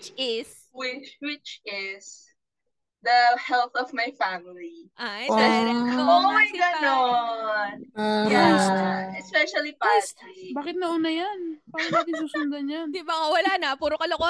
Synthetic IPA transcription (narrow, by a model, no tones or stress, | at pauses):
t͡ʃɪs | wɪt͡ʃwɪt͡ʃɪs | ðɐhɛlˠθɔvmajfæmɪliʔaɛɛooajano | jɛ | ɛspɛʃɐlipasbaːkɪt̪̚nɐʔunɐjanpaːɾɐɐd̪ɪsuːsʊnɡ̪ɐnɲɐnd̪ɪbaŋɐwɐlanɐpuːɾokɐloko